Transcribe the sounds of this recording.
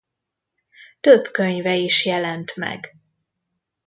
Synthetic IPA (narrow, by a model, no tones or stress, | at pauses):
t̪øbkøɲvɛiʃjɛlɛnt̪mɛ̰ɡ